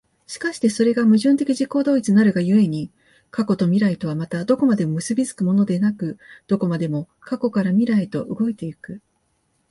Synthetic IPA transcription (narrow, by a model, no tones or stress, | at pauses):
ɕi̥kaɕi̥t̪e̞so̞ɾe̞ɡamɯ̟ʑɨ̃nt̪e̞kʲiʑiko̞ːd̪o̞ːit͡sɨnaɾɯ̟ɡajɯ̟e̞ɲ̟i | kako̞t̪o̞mʲiɾait̪o̞βamat̪ad̪oko̞mad̪e̞mo̞mɯ̟sɨbʲizɨ̥kɯ̟mo̞no̞d̪e̞nakɯ̟d̪̥o̞ko̞mad̪e̞mo̞ | kako̞kaɾamʲiɾait̪o̞ʔɯɡo̞et̪e̞ikɯ̟